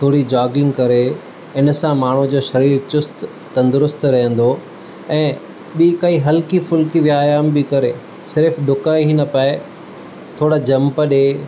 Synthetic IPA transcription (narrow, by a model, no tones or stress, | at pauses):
t̪ʰoːɽid͡ʑaːɡɪ̃ŋɡkɐɾe | ɪnsãmaːɳ̤ud͡ʑoːʃɐɾiːɾt͡ɕʊst̪ː | ɐ̃nd̪ʊɾʊst̪ɾɐɦə̃n̆d̪o | ɛ̃ː | ɓikaiɦɐlkifʊlkiʋjaːjaːmbɪkɐɾe | sɪɾfɗʊkaːiɦinɐpae | t̪ʰoːɽad͡ʑɐ̃mpəɗe